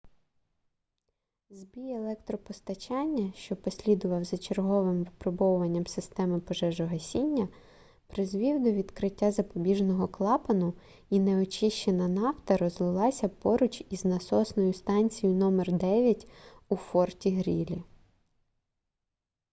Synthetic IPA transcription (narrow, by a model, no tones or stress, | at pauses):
zbʲijelˠɛkt̪ɾɔpɔst̪ɐt͡ʃɑnʲːɐʃt͡ʃɔpɔsʲlʲid̪ʊʋɐwzɐt͡ʃerɦɔʋɪmʋɪpɾɔbɔwʊʋɐnʲːɐmsɪst̪ɛmɪpɔʒɛʒɔɦɐsʲinʲːɐ | pɾɪzʋʲiwd̪ɔʋʲid̪kɾɪtʲːazɐpɔbʲiʒnɔɦɔklˠɑpɐnʊ | inɛɔt͡ʃɪʃt͡ʃenɐnɑwt̪ɐɾɔzlˠɪlˠɑsʲɐpɔɾʊt͡ʃiznɐsɔsnɔjʊst̪ɑnʲt͡sʲijʊnɔmɛrd̪ɛʋʲjɐtʲufɔrtʲiɦɾʲilʲi